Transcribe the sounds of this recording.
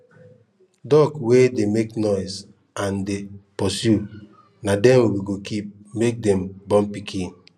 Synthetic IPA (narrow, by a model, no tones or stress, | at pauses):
dɔkwedemeknɔɪs | ãndepɔsju | nadɛ̃mwwiɡokip̚ | mek̚dɛ̃mbɔ̃mpikʰĩn